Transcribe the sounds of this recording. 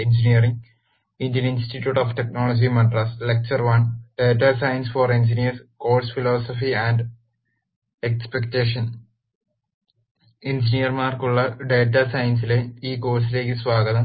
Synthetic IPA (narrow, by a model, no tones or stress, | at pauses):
ind͡ʑinijɐriŋ | indjɐninsʈiʈːjuːʈoːfʈeknoːɭod͡ʑimɐɖrɐslek̚t͡ɕɐrʋɐɳɖeːtːasɐjɐnsforind͡ʑinijɐrsko̞ːlsfiloːsɐfiæɳɖ | ekspekʈeːʂɐn | ind͡ʑinijɐrmaːrkuɭːɐɖeːtːɐsɐjɐnsileiːko̞ːs̬ile̞ːkːɨsʋaːɡɐðɐm